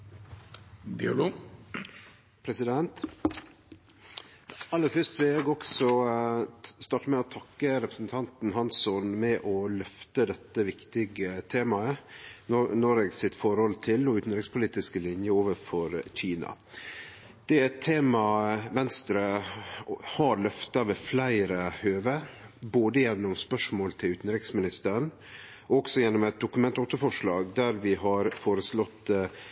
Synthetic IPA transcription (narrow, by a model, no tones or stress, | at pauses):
bɪlo | pʰɾɛsɪd̪ɛnt̪ | ɑlːəɾfœʂt̪ʋɪlɛɡɔksɔ | st̪ɑːʈəmɛɔt̪ʰɑkːəɾɛpɾəsn̩t̪ʰɑnt̪nɦɑnsɔnmɛʔɔlœft̪əd̪ɛt̪ːəʋɪkt̪ɪɡət̪ʰeːmɑə | noːɾɛɡsɪt̪fɔɾhɔlt̪ʰɪlɔʉːt̪n̩ɾɪɡspʰʊliːt̪ɪskəlɪnjəoːʋəfɔɾçiːnɑ̰ | d̪̥ɛæɛt̪ʰːeːmɑʋɛnst̪ɾə | hɑɾlœft̪ɑʋeːflæɪɾəhøːʋəboːd̪əjɛnːɔmspœʂmoːlt̪ʰɪlʉːt̪n̩ɾɪksmɪnɪst̪əɾən | ɔksɔjɛnːɔmɛt̪̚d̪ʊkʉmɛnt̪ɔːt̪əfɔʂlɑːɡd̪æɾʋɪɦɑɾfoːɾəslɔt̪ː